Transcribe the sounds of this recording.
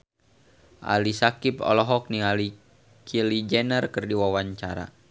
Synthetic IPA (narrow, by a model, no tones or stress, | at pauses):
ʔa̰lisakipɔ̰lɔɦɔk̚niali | kʰilid͡ʒɛnərkərdiwawaɲt͡ʃa̰ɾa̰